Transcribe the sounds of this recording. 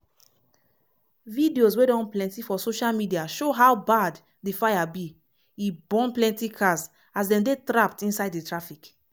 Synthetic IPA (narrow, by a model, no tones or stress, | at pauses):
vidioswedɔ̃nplɛ̃ntifɔsoʃalmidiaʃoɦawbad | difajabi | ibɔ̃nplɛ̃ntikʰas | azdɛ̃mdetɹap̚tĩnsaɪdditɹafik